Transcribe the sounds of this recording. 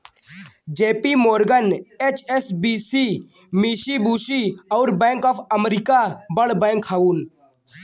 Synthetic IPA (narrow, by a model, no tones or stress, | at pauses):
d͡ʒeːpiːmoːɾɡəneːt͡ʃesbiːsiː | miːʃibuːʃiːɐʊɾbɛ̃ːŋkɔːpʰəmɾikabəɽbɛ̃ːŋkʰːaːuːn